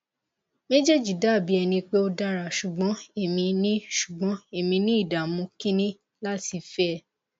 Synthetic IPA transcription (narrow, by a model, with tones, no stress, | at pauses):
me˦d͡ʒe˦d͡ʒi˨da˦˨bi˨˦ɛ˧nĩ˧k͡pe˦o˧da˦ɾa˨ʃu˨ɡ͡bɔ̃˨˦e˦˨mĩ˧nĩ˦ʃu̥˨ɡ͡bɔ̃˨˦e˦˨mĩ˧nĩ˦i˦˨da˨mũ˧kĩ˦nĩ˦ | la˦ti˧fɛ˦˧˨